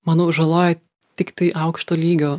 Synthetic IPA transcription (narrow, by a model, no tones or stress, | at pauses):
mɑːnoːʒɐlˠoːjɛ | t̪ʲɪkt̪ɐɪʔɐʊkʃt̪oːlʲiːɡʲoː